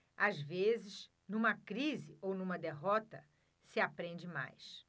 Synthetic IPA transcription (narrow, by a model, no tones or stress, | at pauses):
azvezɪʃ | nũmɐkɾizɪownũmɐd̪eɦɔt̪ɐ | sɪapɾẽd͡ʒɪma̰js